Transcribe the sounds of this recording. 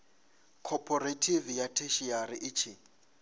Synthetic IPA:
kʰɔpʰɔɾetʰivjatʰeʃiaɾɪʔɪt͡ʃʰɪ

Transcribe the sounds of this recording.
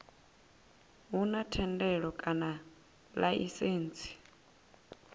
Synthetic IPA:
ɦunatʰɛndɛɺɔkʼana | laʔḭseːnt͡sʰi̥

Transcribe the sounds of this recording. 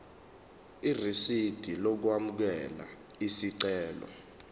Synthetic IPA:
irisid̥ʱilɔk̬wamuk̬ɛla̰ | isiǀɛːlɔ̰

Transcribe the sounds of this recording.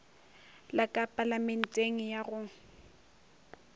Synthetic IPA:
lakʼapʼalamɛn̩tʼeŋ̩jaɣʊ

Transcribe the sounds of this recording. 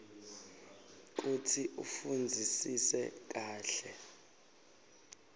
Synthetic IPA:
k̬utʰiʔṵfund͡zʱisisɛk̬ʼaːɬɛ

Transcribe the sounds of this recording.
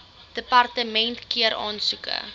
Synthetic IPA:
d̥əpɐrtəmɛntkiəɾʔɑːnsukə̰

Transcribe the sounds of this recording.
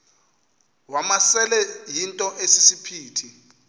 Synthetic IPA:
wamasɛlɛjintʼɔʔesisipʰiːtʰi

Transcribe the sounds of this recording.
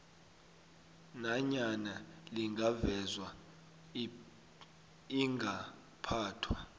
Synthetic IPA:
naɲanaliŋɡʱavɛzwa | iŋɡʱa | pʰaːtʰwa

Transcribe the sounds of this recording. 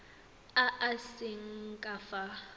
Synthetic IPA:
aʔasɪŋ̩kʼafa

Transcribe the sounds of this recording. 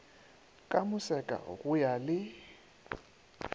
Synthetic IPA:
kʼamʊsɛkʼa̰ɣʊjalɪ

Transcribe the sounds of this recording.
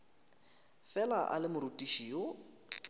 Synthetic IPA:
fɛlaʔalɪmʊɾutʼiʃiːo

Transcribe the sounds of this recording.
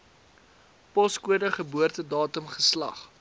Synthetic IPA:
pɔskuədəχəbuərtədɑːtəmχəslɐ̰χ

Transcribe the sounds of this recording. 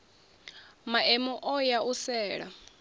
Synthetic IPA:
maʔɛmɔʔɔjaʔusɛːɺa̰

